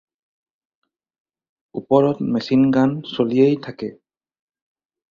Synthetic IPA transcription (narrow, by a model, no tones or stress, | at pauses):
upɔɹɔtmesinɡansoliejtʰakɛ